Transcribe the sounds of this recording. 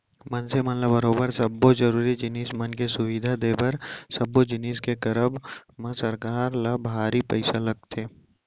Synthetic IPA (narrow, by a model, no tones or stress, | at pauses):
mɐnsemɐnləbɐɾoːbəɾsɐbːozɐɾuːɾid͡ʒɪniːsmɐnkesʊʋid̪ʱad̪eːpɐɾsɐbːod͡ʒɪniːskekɐɾəbmɐ̃sɐɾkaːɾlabʱaːɾipɐ̰ɪsalɐɡ̚t̪ʰeː